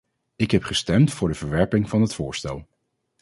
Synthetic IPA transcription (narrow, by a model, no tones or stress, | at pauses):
ɪkɦɛpχəstɛmtfʊːɹdəv̥əɹʋɛɹpɪŋvɑnɦətfʊːɹstɛlˠ